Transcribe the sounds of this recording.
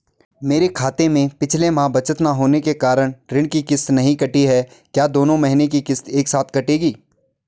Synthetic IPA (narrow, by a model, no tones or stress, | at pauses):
meːɾekʰaːt̪emẽpɪt͡ʃʰlemãːbɐt͡ʃət̪naɦoːnekekaːɾəɽ̃ɾɪ̃ɳ̃kikɪst̪nɐɦĩkɐʈiɦɛ | kjaːd̪oːnõmɐɦɪnek̬ikɪst̪eːksaːt̪ʰkɐʈeːɡiː